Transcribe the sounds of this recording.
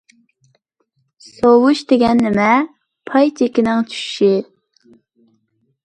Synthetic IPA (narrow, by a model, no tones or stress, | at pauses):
sowuʃt̪eɡʲɛnlɪmɛ | pʰɑjt͡ʃʰekʲɪnɪŋt͡ʃʰy̥ʃʃi